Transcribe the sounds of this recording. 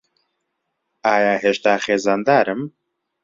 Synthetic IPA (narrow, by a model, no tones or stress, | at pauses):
aːjaːɦeːʃt̪aːxeːzaːnd̪aːɾɨm